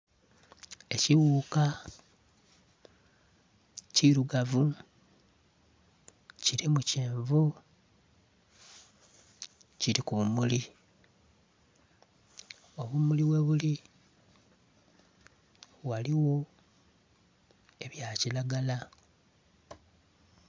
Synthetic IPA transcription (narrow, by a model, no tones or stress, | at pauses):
e̞ciwuka | ciɾuɡavu | ciɾimuceːɱvu | ciɾikuβumuli | o̞βumuliwe̞βuli | waliwo̞ | e̞βjacilaɡala